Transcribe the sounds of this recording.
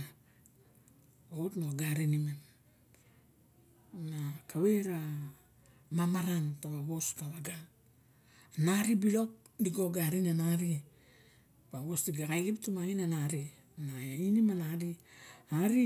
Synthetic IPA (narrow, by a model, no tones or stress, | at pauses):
otnoɡaɾinimen | nakaweɾa | mamaɾantaβaβo̞staβaɡa | naɾibilo̞k̚ | diɡoɡaɾinanaɾi | baβosdiɡakajɡiptumaŋinanaɾi | nainimanaɾiaɾi